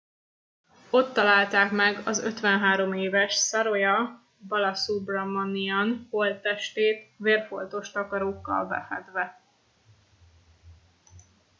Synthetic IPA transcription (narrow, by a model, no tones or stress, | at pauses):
o̞t̪ːɒlaːlt̪aːkmɛɡɒzø̰t̪ʋɛnɦaːɾo̞meːvɛʃsɒɾo̞jɒ | bɒlɒsubrɒmɒniɒnholt̪ːɛʃt̪eːt̪veːrfo̞̰lt̪o̞ʃt̪ɒkɒɾoːkːɒ̰lbɛ̰fɛ̰d̪ʋɛ